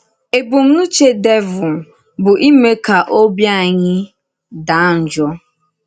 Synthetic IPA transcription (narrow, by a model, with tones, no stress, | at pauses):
e˨bu˨m̩˦n̩˦t͡ʃe˦de˦vʊ˨m̩˨ | bʊ˨ʔi˦me˦ka˨ʔo˦bja˦˨ɲɪ˦ | da˨˦n̩˨d͡ʒɔ˦